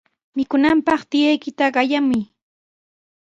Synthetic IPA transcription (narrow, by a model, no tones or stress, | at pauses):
mɪkʊnampɑχt̪ɪjajkɪt̪aɢɑjamʊj